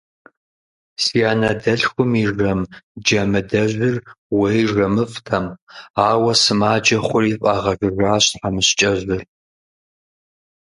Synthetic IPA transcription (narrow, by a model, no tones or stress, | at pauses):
sijaːnɐdɐɬxʷʊmiʐɐmd͡ʒɐmɨdɐʑʷɪr | wejʐɐmɨftʰɐmaːwɐsɨmaːd͡ʒɐχʷʊriːfʼaʁɐɡɨʒaːɕħamɨɕt͡ʃʼɐʑʷɨr